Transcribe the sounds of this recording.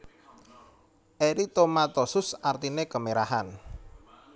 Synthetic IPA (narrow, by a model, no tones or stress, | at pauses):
ʔeɾit̪omat̪ɔsʊsart̪inekəmeɾaɦan